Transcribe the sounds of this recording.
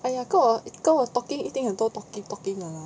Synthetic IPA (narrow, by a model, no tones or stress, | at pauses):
ajakoikot̪ɔkɪŋit̪iŋat̪ot̪ɔkɪŋt̪ɔkɪŋaa